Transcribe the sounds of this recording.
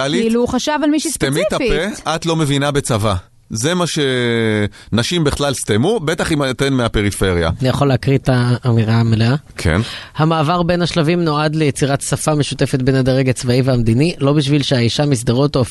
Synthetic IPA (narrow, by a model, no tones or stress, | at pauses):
aliluχaʃavalmiʃist̪emit̪ːapeat̪lo̞me̞vinabe̞t͡sava | ze̞maʃe̞ | naʃimbiχlalst̪emube̞t̪aχimat̪enmeapeʁife̞ʁja̰anijaχo̞leakʁit̪aːmiʁameleakʰḛnhamaːvaʁbe̞nhaʃlavimno̞ad̪lejet͡siʁat̪safameʃute̞fet̪̚benad̪aʁeɡat͡svaiveamd̪inilo̞biʃ̬vilʃeaiʃamis̬d̪aʁotof